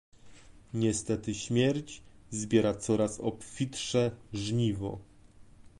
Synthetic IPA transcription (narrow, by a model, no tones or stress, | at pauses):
ɲɛst̪ɛt̪ɘɕmʲjɛɾd͡ʑzbʲjɛɾat̪sɔɾasɔ̰pfʲit̪ʂɛʐɲivɔ̰